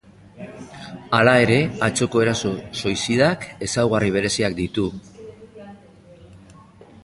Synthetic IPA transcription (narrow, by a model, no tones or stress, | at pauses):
alae̞ɾe̞at͡so̞ko̞e̞ɾaso̞so̞jsiðake̞sawɣ̞ariβ̞e̞ɾe̞siakd̪it̪u